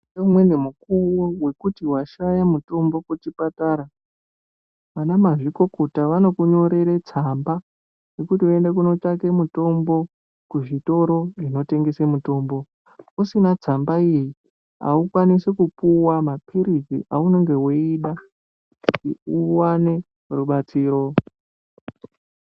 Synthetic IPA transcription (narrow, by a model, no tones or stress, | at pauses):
eumwenemukuwowe̞kutiwaʃajamuto̞mbo̞kut͡ʃipataːɾa | ʋanamaʐiko̞kotaʋano̞kuɲo̞ɾe̞ɾet͡samba | jekutie̞ndek̬uno̞t͡ʃake̞muto̞mbo̞ | kuʐito̞ɾo̞ino̞te̞ŋɡe̞semuto̞mbo̞ | usinad͡zambaiji | a̰ukwanisekupuwamapʰiɾid͡zḭʔauno̞ŋɡe̞weiɗa | iuwane̞ | ruɓat͡siːɾo̞